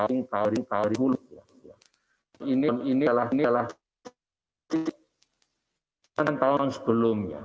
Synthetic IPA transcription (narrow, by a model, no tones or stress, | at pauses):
ŋk̪aoɾiŋk̪aoɾiɦulʊkja̰ | ja | inininilahnilah | t̪i | aant̪aʊnsə̥b̥əlʊmja̰